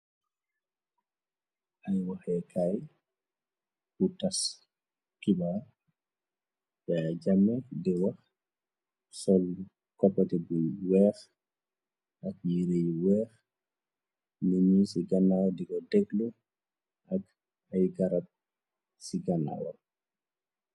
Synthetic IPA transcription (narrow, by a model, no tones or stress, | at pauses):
ʔajwaxɛkʰaj | kutas | kiba | ɓad͡ʒamːɛdɛwax | sɔl | kɔpːatɛbujwɛːx | ʔak̚jiɾejwɛːx | ninisiɡanːawɔdikɔdɛɡlu | ʔak | ajɡaɾat̚ | siɡanːa̰wɔ̰